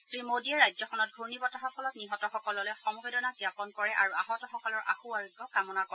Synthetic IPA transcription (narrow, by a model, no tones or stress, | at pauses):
sɹimodiɛɹajzɔxɔnɔt̚ɡʱunibɔtaɦapʰɔlɔtniɦɔtɔxɔkɔlɔlojxɔmɔɡɛdɔnakiapɔnkɔɹɛʔaɹuaɦɔtɔxɔkɔlɔɹʔa̰xuaɹiɡɔkamɔnakɔɛ